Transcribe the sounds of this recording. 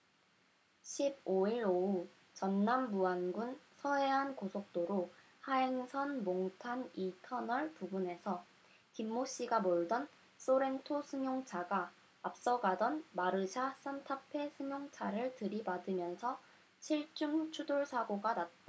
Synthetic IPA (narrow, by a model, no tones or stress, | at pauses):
ɕʰib̚oiɾou | t͡ɕʌnːambuanɡunsʰʌe̞ɦankosʰok̚t͈oɾo | haeŋsʰʌnmoŋtʰanitʰʌnʌɭpubune̞sʰʌ | kimːoɕ͈iɡamoɭdʌn | s͈oɾe̞ntʰosʰɯŋjoŋt͡ɕʰaɡaː | p̚s͈ʌɡadʌnmaɾɯd͡ʑʰas͈antʰapʰe̞sʰɯŋjoŋt͡ɕʰaɾɯɭtɯɾibadɯmjʌnsʰʌ | t͡ɕʰiɭt͡ɕ͈uŋt͡ɕʰudoɭsʰaɡoɡanat̚t͈a